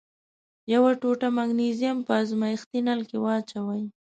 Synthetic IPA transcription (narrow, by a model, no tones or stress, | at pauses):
jawaʈoʈamaɡnizijampəazmaɪxt̪inalkewat͡ʃawaj